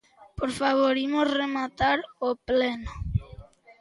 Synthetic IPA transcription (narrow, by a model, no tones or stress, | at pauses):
poɾfaβoɾimosremat̪aɾopleno